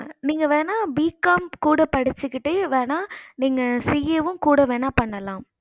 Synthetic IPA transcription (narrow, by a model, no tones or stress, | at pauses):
niːŋɡɐʋeːnaːbiːkaːmkuːɽɐpɐɽɪt͡ʃːɯkːɪʈːɯʋeːnaːniːŋɡɐsijɐʋɯ̃mkuːɽɐʋeːnaːpɐɳːɐlãː